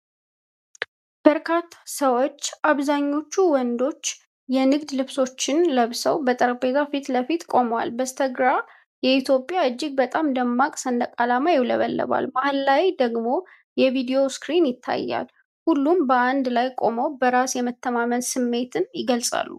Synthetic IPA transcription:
b̥əɾkʰat̪ʰːḁsəwot͡ʃːʔaβzaɲːo̞t͡ʃːuwɔnd̪o̞t͡ʃː | jɛnɨɡd̪lɨβso̞t͡ʃːɪnləβsəwbət̪ʼəɾəbe̞t̪ʰafit̪ləfit̪kʼo̞məwa̰lbəst̪ʰəɡɾa | jɛit̪ʰjo̞pʼjaɨd͡ʒːɪɡ̚bət̪ʼamd̪əmːakʼsənd̪əkʼalamajɪwlə̰βəlːə̰βa̰lmahlːawjd̪əɡmo̞ | jɛvid̪ejo̞skɾinjɪt̪ʰːa̰jːa̰l | hulːumbəand̪lajkʼo̞məwbəɾasjɛmət̪ʰːəmamənsɨmːe̞t̪ʰɨnjɪɡəlsʼa̰lːṵ

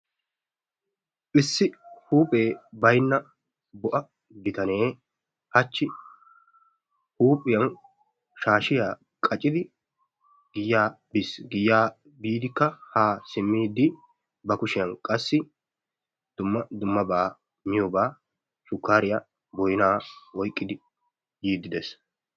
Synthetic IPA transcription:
ʔɪsːɪhuːpʼeːbɐjnːɐ | bɔʔɐ | bɪt̪ɐne̞ː | hɐt͡ʃːɪ | huːpʼːɪjɐn | ʃaːʃɪjaː | kʼɐt͡ʃʼːɪd̪ɪ | ɡ̥ɪjːaː | bɪsɡɪjːaː | biːd̪ɪkːɐhaːsɪmːiːd̪ːɪ | bɐkʊʃɪjɐnkʼɐsːɪ | d̪̥ʊmːɐd̪ʊmːɐbaː | mɪjɔbaː | ʃʊkːaːɾɪjɐ | bɔjnaːwɔjkʼːɪd̪ɪ | jiːd̪ːɪd̪ɛs

